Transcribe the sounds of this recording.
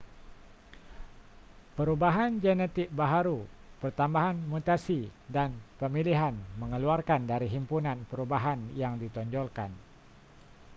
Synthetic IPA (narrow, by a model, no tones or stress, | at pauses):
pəɾubaɦand͡ʒɛnɛt̪ɪk̚baɦaɾu | pərt̪ambaɦanmut̪asidanpəmiliɦanməŋəluarkandaɾiɦimpunanpəɾubaɦanjaŋdit̪ɔɲd͡ʒɔlkan